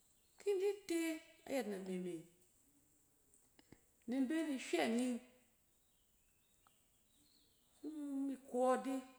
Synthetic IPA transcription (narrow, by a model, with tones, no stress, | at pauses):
kʰi˦n˦di˦te˦a̰˨ja˨tna˨ni˨mi˨ | ni˧m˦be˦ni˧ʃa˦˨ni˦ | mi˧ko˦di˦